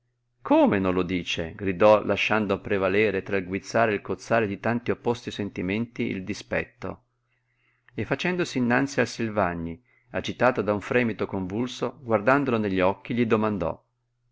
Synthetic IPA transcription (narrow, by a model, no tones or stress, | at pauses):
kʰoːmenõnlːod̪iːt͡ʃḛɡɾid̪ɔlʔaʃːand̪opɾevalɛːɾet̪ɾailɡwit̪sːaːɾeilkot̪sːaːɾed̪it̪ant̪iopːɔst̪isent̪iment̪iḭld̪ispɛ̰t̪ːo̰ | efːat͡ʃɛnd̪osiːnːant̪sialsilvaɲːi | ad͡ʒit̪aːt̪od̪auɱfɾɛːmit̪okoɱvulsoɡward̪and̪oloneʎːɔkːiʎid̪omand̪ɔ̰